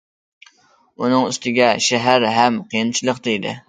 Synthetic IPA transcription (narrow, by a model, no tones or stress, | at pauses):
unɨŋyst̪ʰɪɡʲɛʃæɦæɾɦæmqʰijɨnt͡ʃʰilˠəqd̪ejd̪ɪ̰